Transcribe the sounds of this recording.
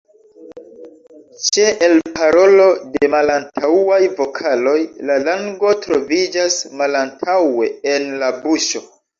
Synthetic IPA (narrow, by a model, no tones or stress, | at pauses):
t͡ʃe̞ʔelpaɾo̞lo̞demalantʰawajvo̞kʰalo̞jlalaŋɡo̞tɾo̞vid͡ʒasmalantʰawe̞enlabuʃo̞